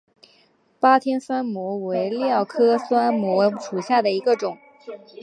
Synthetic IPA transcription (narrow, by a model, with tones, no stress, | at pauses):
pa˥t̪ʰjɛ˥nswa˥nmwɔ˧˥we˧˥ɪljɑ˥˩ʊkʰɤ˥swa˥nmwɔ˧˥ʂu˨˩ɕja˥˩d̪ə˩i˧˥ɡə˧ʈ͡ʂʊ˨˩˦ŋ